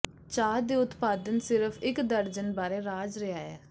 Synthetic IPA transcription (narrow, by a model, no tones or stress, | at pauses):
t͡ʃaːɾd̪iːʊt̪paːd̪ənsɪɾəpʰɪkd̪əɾd͡ʒənbaːɾeːɾaːd͡ʒɾəaːɛ̰ː